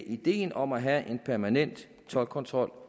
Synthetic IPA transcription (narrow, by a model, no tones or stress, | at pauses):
ʔid̥e̝̰ːnɒ̽mæɦæʔe̝npʰæɐmænen̰d̥ | t͡sʰɒ̽lkʰɒ̽nt͡sʰʁɒ̽l̰